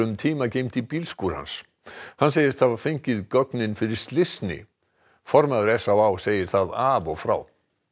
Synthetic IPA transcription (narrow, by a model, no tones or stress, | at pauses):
ʏmt̪ʰiːmacejmt̪ipiːlskuːɾha̰ns | hanːseːjɪst̪ʰavḁfejɲcɪðkœknɪnfɪɾɪɾ̥st̪lɪsnɪ̰ | fɔɾmaðʏɾɛsawaːwseːjɪɾ̥θaðavɔɣfɾa̰ːw